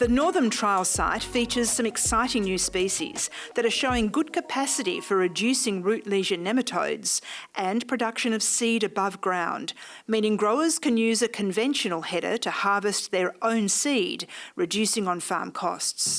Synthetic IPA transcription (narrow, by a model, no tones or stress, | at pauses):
ðɨnɔɹðə̃˞ntʰɹ̥aɪlˠsa̰ɪtfit͡ʃə˞z̥sʌ̃mɨksaɪɾɪ̃ŋnjʉspiʃḭz̥ðɨɾə˞ʃoʊɪ̃ŋɡʊd̚kʰɨpʰæsɨɾḭfə˞ɹɨdʉsɪ̃ŋɹʉʔˡliʒɨnɛmɨtʰo̰ʊdz̥ʔɨ̃npʰɹ̥ɨdʌkʃɨ̃nʌv̥siɾɨbʌvɡɹãʊ̃nd | mĩñɪ̃ŋɡɹoʊə˞z̥kɨ̃njʉzɨkʰɨ̃ɱvɛ̃nʃɨnl̩ˠhɛɾə̰˞ɾɨhɑɹvɨst̪̚ðə˞ʔõʊ̃nsidɹɨdʉsɪ̃ŋə̃nfɑ̰ɹmkʰɔ̰sts